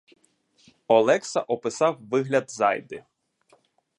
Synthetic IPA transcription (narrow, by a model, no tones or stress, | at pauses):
ɔlˠɛksɐʔɔpɪsɑwʋɪɦlʲɐd̪zɑ̰jd̪ɪ